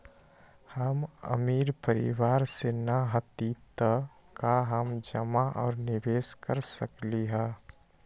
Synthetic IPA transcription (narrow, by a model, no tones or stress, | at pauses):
həmə̰miːɾpəɾɪ̰ʋaːɾsenaɦət̪it̪ə | kaɦəmd͡ʒəmaʔɔːɾnɪʋeːskəɾsəkliɦɛ̃ː